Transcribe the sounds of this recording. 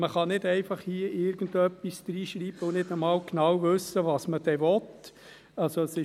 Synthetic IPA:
məχɑnɪdɛɪfɑχhiəʔɪɾɡ̥ən̩dœpːisd̥̪ɾiːʃɾiːb̥əʊnɪdəmɑːwknɑwʋɵsəʋɑːsməd̥ɛʋɔt | ɑlsoəsɪ

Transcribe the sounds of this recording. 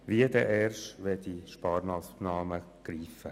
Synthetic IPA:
ʋiəd̪ɛʔɛɾʃʋɛd̪iʃpɑːɾnɑspnɑːmə | ɡ̥ɾiːfə

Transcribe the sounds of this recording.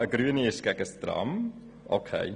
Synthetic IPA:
əɡɾyəniɪʃɡ̥ɛɡəstrɑ̰m | o̰kʰḛɪ

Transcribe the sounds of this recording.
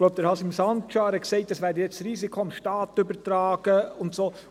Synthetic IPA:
lob̚p̚d̪ɛɾhɑsɪmsɑntt͡ʃɑːɾəksɛɪt̚d̥ɑsvæːdəjɛt͡sɾiːsikʰoɪmʃtɑːt̪ʏbəɾtɾɑːɡ̥əʊntsoː

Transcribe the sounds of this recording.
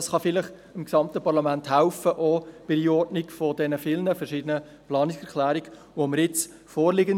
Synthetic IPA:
ɑsχɑfɪlɪχ | ɪmksɑmt̪əpɑɾlɑmænthæʊfəʔɔb̥ɪɾiɔrdnɪkfɔdɛnəfɪlnəfɛɾʃiːdənə | plɑːnɪksɛɾkʰlæːɾiɡ | ʋoməɾjɪt͡s | fɔːɾlɪɡən

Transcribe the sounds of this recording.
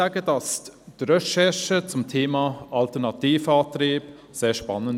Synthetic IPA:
aːɡədɑsd̥ɾɛʃɛʃət͡sʊmtʰeːmɑːʔɑltɛnɑtiːfəɑːtɾiːb | seːʃpɑnːən

